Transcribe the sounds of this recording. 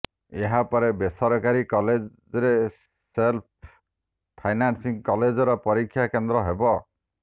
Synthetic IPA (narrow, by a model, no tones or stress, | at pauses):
eɦapɔɾebesɔɾɔkaɾikɔled͡ʒ | ɔɾe | selp̚ | pʰajnansiŋkɔled͡ʒɔɾɔpɔɾikʰːjakend̪ɾɔɦebɔ